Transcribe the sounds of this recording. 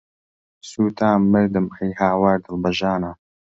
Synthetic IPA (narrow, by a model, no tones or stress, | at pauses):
suːt̪ʰaːmːɪɾd̪ɨmijhaːwaːɾd̪ɨlbɐʒaːna